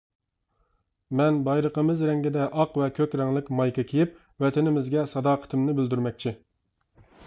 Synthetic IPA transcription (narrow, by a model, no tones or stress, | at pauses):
mɛnbɑjɾəqəmɨzɾɛŋɡʲɪd̪ɛʔɑqvɛkʲʰøkʲɾɛŋlˠɪkʲmɑjkʲɨkʲʰijɪp̚ | wɛt̪ʰɪnɪmɪzɡʲɛsɑd̪ɑːqʰə̥t̪ʰɪmnɪbɪld̪yɾmɛk̚ʲt͡ʃʰi